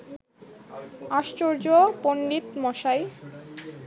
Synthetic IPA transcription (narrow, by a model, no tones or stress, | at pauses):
aʃt͡ɕoɾd͡ʑopoɳɖit̪mɔʃaj